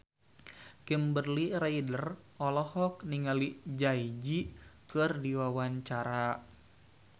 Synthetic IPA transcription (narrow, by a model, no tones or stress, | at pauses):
kimbərliɾaidərɔlɔhɔk̚niŋalid͡ʒaid͡ʒikɨrdiwawaɲt͡ʃaɾa